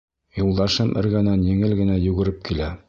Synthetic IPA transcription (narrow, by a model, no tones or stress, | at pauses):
julˠd̪ɑʃɤmʔɘ̰̆ɾɡænɑnjɘ̆ŋɘlɡɘ̆næjʉɡɘ̆ɾɘp̚kilæ